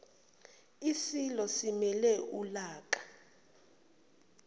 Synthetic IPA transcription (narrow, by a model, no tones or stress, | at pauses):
isilɔsimɛlɛʔulaːk̬ʼḁ